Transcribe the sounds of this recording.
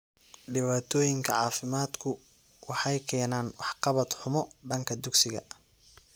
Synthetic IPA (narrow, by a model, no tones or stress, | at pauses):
ɖɪβaːt̪ʰɔːjɪŋkʰɐʕɑːfɪmaːd̪kʰʊ | wɑħɑjkʰɛːnaːnwɑħqɑβɐd̪ħʊmɔɖɐŋkʰɐd̪ʊɡsɪɣɐ̰